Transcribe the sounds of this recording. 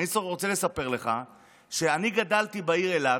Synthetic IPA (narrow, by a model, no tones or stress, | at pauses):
iʁot͡sele̞sape̞ʁle̞χa | ʃeaniɡad̪alt̪ibaiʁe̞la